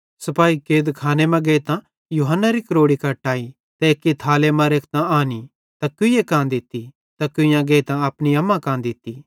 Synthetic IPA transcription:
sɐpaːikeːd̪kʰaːnemɛ̃ɡeːt̪ã | juːɦənːaɾikɐɾoːɽikɐʈaːi | t̪ɛekːit̪ʰaːlemãɾeːkʰt̪ãaːni | t̪ɐkʊjekãːnd̪ɪt̪ːi | t̪akʊjãɡeːt̪ãɐpniɐmːãkãːnd̪ɪt̪ːi

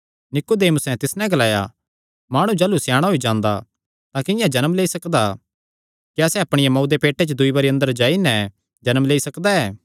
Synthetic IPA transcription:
nɪkod̪eːmsɛ̃t̪ɪsnɛ̃ɡɐlaːja̰ | maːɽ̃ũd͡ʒaːlusjaːɽ̃aɦoid͡ʒãːnd̪a | t̪ãkɪ̃jãd͡ʒɐnəmleːisɐkd̪a | kiasɛɐpɽ̃ɪjamɔːd̪epeːʈːet͡ʃd̪ʊibɐːɾiɐ̃nd̪əɾd͡ʒaːinɛ̃ | d͡ʒɐnəmleːisɐkd̪aɛː

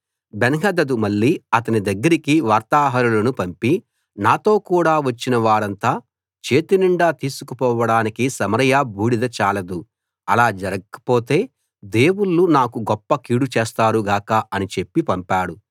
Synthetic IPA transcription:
benɐɦɐd̪ɐd̪umɐɭːiːɐt̪ɐnid̪ɐɡːɐɾikiʋaːɾt̪aːɦɐɾulɐnupɐmpi | naːt̪o̞ːkuːɽaːʋɐt͡ʃːinɐʋaːɾɐnt̪aː | t͡ʃe̞ːt̪iniɳɖaːt̪iːsukupɔːʋɐɽaːnikisɐmɐɾɐjaːbʱuːɽid̪ɐt͡ʃaːlɐd̪u | ɐlaːd͡ʒɐɾɐɡɐkɐ̥po̞ːt̪e̞ː | d̪eːwuɭːunaːkuɡɔpːɐkiːɽut͡ʃeːst̪aːɾuɡaːkaɐnit͡ʃe̞pːipɐmpaːɽu

